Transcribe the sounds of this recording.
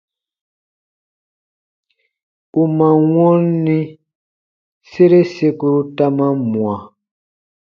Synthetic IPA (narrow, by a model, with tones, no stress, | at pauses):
u˨mã˨wɔ̃˦n˦nĩ˦ | se˦ɾe˦se˦ku˦ɾu˦ta˦mã˦mũ˨ã˨